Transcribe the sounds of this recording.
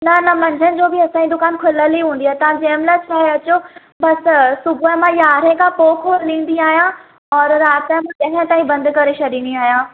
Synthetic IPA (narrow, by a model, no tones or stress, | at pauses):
nɐnɐmɐ̃ɲd͡ʑʱənɪ̆d͡ʑoːbʱɪɐsãːĩd̪ʊkaːnkʰʊləliɦũːnd̪iaːɦet̪ɐʋãd͡ʑɐːmlat͡ɕʰaːɦeɐt͡ɕo | bɐssʊbʱʊəmãjaːɾə̃kʰãpoːkʰolĩːn̆d̪iaːɦijã | ɔːɾɾaːt̪amãɗɐɦə̃t̪aːĩbɐ̃nd̪ʱkɐɾeʃʰɐɗĩːnd̪iaːɦijãː